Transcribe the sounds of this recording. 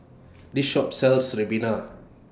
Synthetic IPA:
diʃɔp̚sɛlsɹɛbina

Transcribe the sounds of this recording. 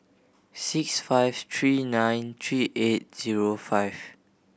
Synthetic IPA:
siksfaɪvt̪ʰɹiːnãj̃nt̪ʰɹiːʔet̚z̥iɹofaɪv

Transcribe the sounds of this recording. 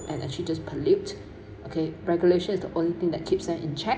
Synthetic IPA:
ʔɛ̃nʔɛ̰k̚t͡ʃlid͡ʒaspʰəlit | okʰeɹɛɡjuleʃə̃nɪsd̪əʔõnlit̪ɪ̃ŋdɛt̚kʰipsɛʔɪ̃nt͡ʃʰɛ

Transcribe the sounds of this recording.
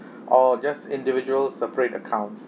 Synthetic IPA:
ʔɔd͡ʒasɪ̃ndivid͡ʒuəlsɛpəɹetə̰kʰãʊ̃nts

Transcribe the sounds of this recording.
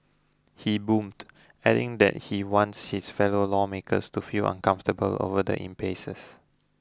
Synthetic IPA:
hibũmt | ɛɾɪ̰̃ŋdɛ̰t̚hiwɔ̃ntshisfɛlolɔmekʰə̰stufilʔã̰nkãɱftəbəlo̰vədə̰ʔḭ̃mpesəs

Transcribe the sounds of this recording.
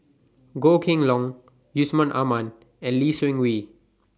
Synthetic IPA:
ɡokʰĩŋlɔŋ | jusmɔnʔa̰man | ɛ̃nlisuĩŋwi

